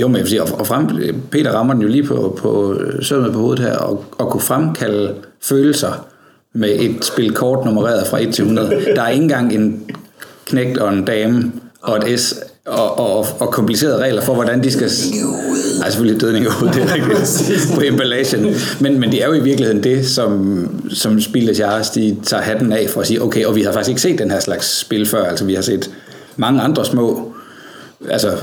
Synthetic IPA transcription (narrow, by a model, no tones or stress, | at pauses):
jomenjæʋsḭːɒɒfʁampʰe̝̰ːɾɐʁɑ̈mɐd̥en̩jo̝liːpʰɒpʰɒsømð̩ˠpʰɒ̽o̝ːð̩ˠhæɐ̰ɒ̽ɒ̽kʰufʁamkʰæl̰əføːl̩sɐ | meʔe̝d̥sb̥e̝lkʰɒːd̥no̝məʁɛ̰ːɐðˠfʁɑ̈ʔe̝d̥̚t͡sʰe̝lhunɐðˠəd̥ɑ̈æɐe̝ŋn̩ɡ̥ɑ̈ŋ̰e̝n | kʰneɡ̥̚d̥ɒ̽e̝nd̥ɛːməɒ̽e̝d̥esɒɒɒ̽kʰɒ̽mpʰlise̝̰ːɐðˠʁɛ̰ːlɐfɒ̽ʋɒd̥ænd̥isɡ̥æ̥ | ɑsefølid̥øðˠne̝ŋod̥eʁæɡ̥̚d̥ipʰɒemb̥æleɕən | menmend̥e̝æɐjo̝iʋiɐɡ̥lihe̝ðˠn̩d̥e̝sɒ̽m | sɒ̽msb̥iləsɑːsd̥it͡sʰɑ̰̈ːɦæd̥n̩ɛfɒɒsiːɐʔoʊkʰeɪɒ̽ʋihɑfɑ̈ɡ̥isɡ̥eɡ̥se̝̰ːd̥ːenhæɐslɑ̈ɡ̥sːb̥e̝lfɶɐ̰ælsɐʋihɑ̈se̝̰ːd̥ | mɑ̈ŋəɑ̈nd̥ʁɐsmɔ̰̽ː | ælsɐ